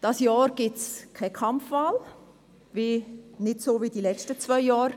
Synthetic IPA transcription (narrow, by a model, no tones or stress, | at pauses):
d̥ɑsjɑːɾɡ̥ɪt͡skʰɛkʰɑmfːal | vinɪdsoːvid̥ilɛt͡ʃtət͡svœɪjɑːɾ